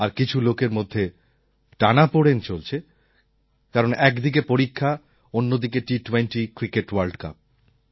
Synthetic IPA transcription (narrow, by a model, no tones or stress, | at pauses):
aɾkit͡ɕʰulokeɾmod̪ʱːe | ʈanapoɽent͡ɕolt͡ɕʰe | kaɾonʔɛkd̪ik̬epoɾikʰːa | onːod̪ikeʈiʈwenʈikɾikeʈwaɾlɖka̰p̚